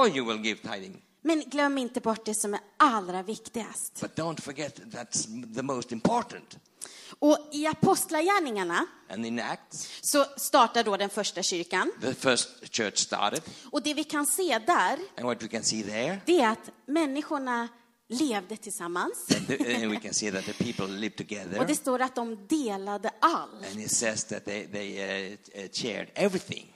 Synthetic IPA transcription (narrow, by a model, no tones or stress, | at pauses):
ɔjɨwɪlˠɡɪv̥t̪ʰaɪɾɪ̰̃ŋ | mɛnɡlœmːɪnt̪əbɔʈːd̪ɛsɔmæɾalːɾavɪkt̪ɪɡa̰st̪b̥ʌt̚d̥õʊ̃ntfə˞ɡɛt̪̚ðætsðəmoʊstɪ̃mpʰɔɹʔn̩t | ɔɪapʰɔst̪lajæːɳɪŋaɳaʔɨ̰̃nðənæk̚tssɔst̪ɑːʈaɖɔd̪ɛnfœʂʈaɕʏɾkanðəfɜ˞stt͡ʃʰɜ̰˞t͡ʃstɑ̰ɹɾɨd̪̥̚ɔd̪ɛvɪkʰanseːd̪æɾʔə̃nwɔtwikɨ̃nsiðə˞d̪ɛæɾat̪mɛnːɪɧʊɳa | leːvd̪ət̪ʰɪlsamːansnwikɨ̃nsiðɨt̪̚ðəpʰipl̩ˠlɪv̥tʰɨɡɛðəɔd̪ɛst̪oːɾat̪̚d̪ɔmd̪eːlad̪əʔalɨ̃nɪsɛzðɨ̰t̪̚ðeɪðeɪ | t͡ʃʰɛ̰ɹdɛvɹiθɪ̰̃ŋ